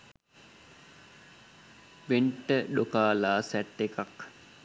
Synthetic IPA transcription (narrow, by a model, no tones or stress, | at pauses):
ʋeɳʈəɖokaːlaːsæʈːekak